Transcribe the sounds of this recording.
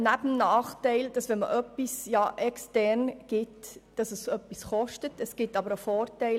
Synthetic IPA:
næbəmnɑːχtɛɪld̥ɑsʋɛnmə̰ʔœpːisjɑʔɛkstɛɾnɡ̥ɪtd̥ɑsəsœpːisχɔʃtətəsɡ̥ɪtːɑbəɾofɔːɾtɛɪ

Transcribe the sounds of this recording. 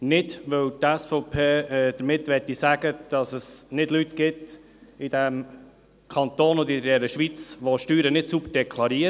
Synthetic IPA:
nɪdʋɵwt̪æsfɔʊpʰeːd̥̪əɾmɪtːʋɛtːisæɡ̥əd̥ɑsəsnɪd̥lytɡɪt̪ | ɪd̥æm | kʰɑnt̪oːnʊnd̪ɪdɛɾəʃʋit͡sʋoʃtyːɾənɪtsubəd̥ɛkʰlˠɑɾiːə

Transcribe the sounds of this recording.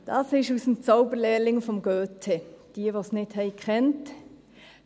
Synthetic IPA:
d̥ɑsɪʃusmt͡saʊbəɾlɛːlɪŋfɔmɡøːtʰed̥iːʋosnɪthɛɪkʰɛnt

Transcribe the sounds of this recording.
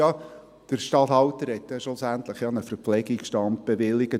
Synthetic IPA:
ɑ | d̥əɾʃtɑthɑwtəɾhɛt̪jɛʃʊsænt̪ləχjɑnəfəɾflɛɡikʃtɑnt̚b̥eʋɪlːɪɡə

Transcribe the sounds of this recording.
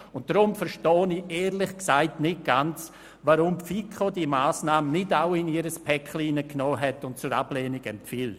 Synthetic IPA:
ʊnt̚d̥ɾʊmfəɾʃtɔːnieːɾlɪχksaɪtnɪt̚ɡ̥ant͡s | vaɾʊmpfikʰodiːmaːsnaːmənɪdaʊɪniɾəspʰɛkχliːnəknoːɦɛtʊnt̚t͡sʊɾa̰bleːnɪɡɛmpfiːl

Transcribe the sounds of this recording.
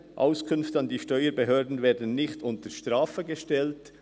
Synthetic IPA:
ʔa̰ʊskʰʏnftɑndiːʃtœʏəɾbeɦøːɐdn̩vɛːɐdən̩nɪxtʊntəɾʃtʁaːfəɡeʃtɛlt

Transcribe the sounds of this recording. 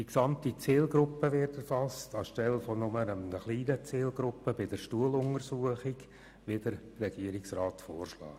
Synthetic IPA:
d̥iksɑmtit͡siːlɡɾʊpːəʋɪrtɛɾfɑstɑʃtɛlfɔnʊmənəmnəχliːnət͡siːlɡɾʊpːəbɪd̥əɾʃtuəlʊŋəɾsuəχɪɡ | ʋɪd̥əɾ | rɛɡ̥iəɾɪksraːtfoːrʃlɑ̰ː

